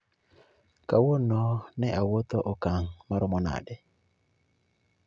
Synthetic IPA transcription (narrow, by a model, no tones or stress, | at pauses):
kawonɔnɛʔawot̪oʔɔkaŋmaɾɔmɔna̰dɛ